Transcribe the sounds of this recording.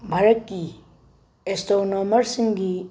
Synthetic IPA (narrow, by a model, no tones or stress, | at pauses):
bʱaɾət̚ɡi | estonomɐɾsiŋɡi